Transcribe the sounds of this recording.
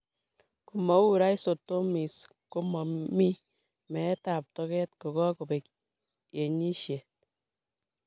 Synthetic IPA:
ku˨mɔ˨˦u˦ɾa˦i˦so˨to˦mi˨s | ko˦mɔ˨mi˦ | mɛ˨˦ta˨p̚tɔ˧kɛ˦t̚ko˨kɔ˦ko˨be˨k | je˨ɲi˦ʃje˨t̚

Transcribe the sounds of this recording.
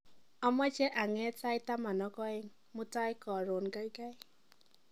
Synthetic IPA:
ɔ˦mɔ˦t͡ʃɛ˦ʔa˨ŋɛ˨˦ta˦ɪ˦ta˦ma˨nɔ˨˦kɔ˦ɛ˦ŋ | mʊ˦ta˦ɪ˦kɔ˨ɾo˨nɡa˦i˦ka˦j

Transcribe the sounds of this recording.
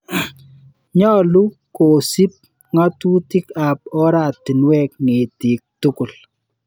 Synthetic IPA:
ɲɔ˦lu˦ | ko˨si˦p̚ | ŋa˦tu˦ti˦ka˨p̚ɔ˦ɾa˦˨ti˨nwɛ˦˨kŋe˨ti˨k̚tʊ˦kʊ˨l

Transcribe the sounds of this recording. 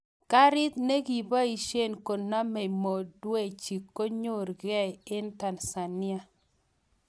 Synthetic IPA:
ka˦ɾɪ˦t̪ne˦ɡi˨ba˦i˨ʃe˦˨nko˨na˦me˨mo˨dwɛ˦˨t͡ʃi˨kːo˦ɲo˦˨ɾɡɛ˦ɪ˦nta˨nsa˨nɪ˦a˦

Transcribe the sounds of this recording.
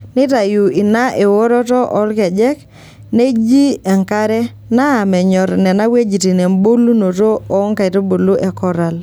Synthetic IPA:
nɪ˦ta˨ju˨i˨na˦ʔe˨wo˦ɾɔ˦tɔ˦ʔɔ˦lkɛ˨d͡ʒɛ˦k | ne˦d͡ʒi˦ɛ˨ŋka˦ɾɛ˦ | naː˦˨mɛ˨ɲɔ˨ɾnɛ˨na˦we˦d͡ʒi˨ti˨ne˨mbo˦lu˦no˨to˦ɔ˨˦ŋka˨i˨to˦bo˨lu˦ʔɛ˨kɔ˦ɾa˨l

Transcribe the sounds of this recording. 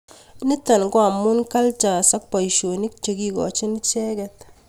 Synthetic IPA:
nɪ˦ta˨nɡwa˨mːʊ˦nka˦lt͡ʃa˨sa˦k̚pa˨i˨ʃo˨ni˦k̚t͡ʃe˨ki˨kɔ̰˨t͡ʃɪ˦n˦t͡ʃɛ˦kɛ˦t

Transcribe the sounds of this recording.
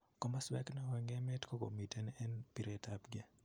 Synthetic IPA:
kɔ˦maswɛ˦kna˨waŋɡɛmɛ˦tkɔ˦ko̰˨mi˨tɛnɛ˦npiɾɛtʰapɡɛ˨

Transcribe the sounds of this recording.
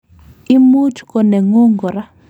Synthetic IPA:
i˦mu˦tkɔ˨ne˨ŋo˦ŋɡɔ˨ɾa˦

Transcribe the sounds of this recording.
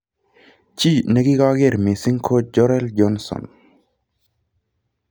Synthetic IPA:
t͡ʃi˦ne˦ɡi˦ɡa˦ɡe˦˨ɾme˨si˦ŋkʰo˦d͡ʒɔ˦ɾɛ˦ld͡ʒɔ˦nsɔ̰˨n

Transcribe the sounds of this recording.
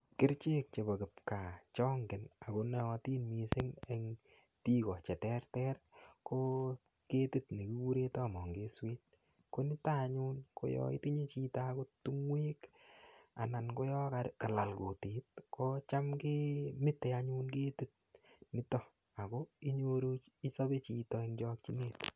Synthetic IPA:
kɪ˦ɾt͡ʃeː˦k̚t͡ʃe˨bɔ˨kɪ˨p̚ka˨t͡ʃɔː˦ŋɡɪ˨na˨ko˧nɛ˦ɔ˧ti˦nmise˦ŋeŋ | ti˦kɔ˨t͡ʃɛ˨tɛrtɛrko˦ | ke˦ti˦tni˨ki˦ku˦ɾe˦tɔ˦˨mɔ˨ŋɡeː˦sweː˦t̚ | ko˦nɪ˦ta˦ɲuː˦nkʰo̰˦jɔ̰˦ḭti˦ɲe˦t͡ʃi˦tako˦tu˦ŋwe˦k | a̰˨na˨nko˦jɔ˦kaka˨la˨lko˨te˨t̚kɔ˦t͡ʃamke˦mɪ˦tːeaɲu˦nke˦ti˦t̚nɪ˦tɔ˦ | a˨koi˦ɲoɾo˦i˦sa˦be˦t͡ʃi˧tɔeŋd͡ʒɔ˧k̚t͡ʃi˦neːt

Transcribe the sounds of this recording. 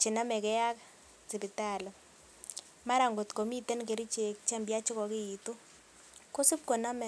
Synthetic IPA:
t͡ʃi˨na˦mɛ˨kɛ˦ja˦ka˦ | t͡si˨bi˨ta˦˨lɛ˨ | ma˦ɾa˨ŋɡo˨t̪ko˨mi˦t̪ɛ˦nk̬e˨ɾi˦t͡ʃe˨kt͡ʃɛ˦mbja˦t͡ʃɪ˦kɔ˨kɪ˦i˨t̪o˦ | ko˦si˦p̚ko˨na˦mɛ˨

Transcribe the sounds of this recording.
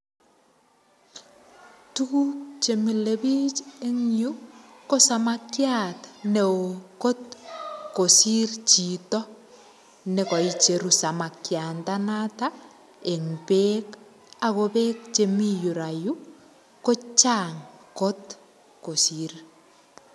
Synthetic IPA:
tuku˦kt͡ʃe˨mi˨lebit͡ʃe˦ŋju˦ko˦samakjatne˨oko˦tko˨sirt͡ʃi˨tɔ˦ | ne˨kɔ˨i˨t͡ʃe˨ɾusa˨ma˨kjantanata | e˨ŋbek | a˨kobe˦k̚t͡ʃe˨miju˨ɾaju˦ | ko˦t͡ʃaːŋko˦t | ko˨sir

